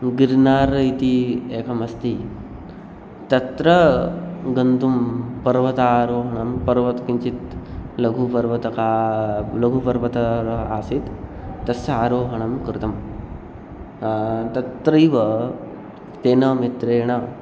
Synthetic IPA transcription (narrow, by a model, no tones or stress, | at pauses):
ɡiɾnaːɾɐit̪ieːkʰɐmɐst̪i | t̪ɐt̪ɾɐ | ɡɐnd̪umpɐɾʋɐt̪aːɾoːɦɐɳɐmpɐɾʋɐt̪kiɲt͡ʃit̪lɐɡʱupɐɾʋɐt̪ɐkaːlɐɡʱupɐɾʋɐt̪ɐɾɐaːsit̪ːɐsaːɾoːɦɐɳɐmkɾɪt̪ɐm | t̪ɐt̪ɾɐjʋɐ | t̪eːnɐmit̪ɾeːɳɐ